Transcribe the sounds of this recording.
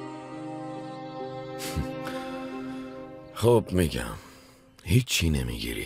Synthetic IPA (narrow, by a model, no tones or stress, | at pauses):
xoːpmiɡã̰ | hit͡ʃʰːinɛmḭɡḭɾḭ